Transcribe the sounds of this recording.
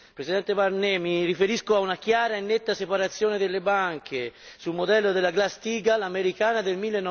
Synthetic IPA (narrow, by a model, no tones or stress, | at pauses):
pɾesid̪ɛnt̪ebarnɛmirifeɾiskoaunak̟jaːɾaenːet̪ːasepaɾat̪sːjoːned̪elːebaŋk̟ʰesulmod̪ɛlːod̪elːaɡlast̪iːɡalameɾikaːnad̪elmilːenːɔ